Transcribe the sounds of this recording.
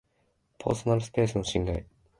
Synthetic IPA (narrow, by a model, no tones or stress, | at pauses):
pʰo̰ːsonaɾɯsɨ̥pe̞ːsɨno̞ɕĩŋɡai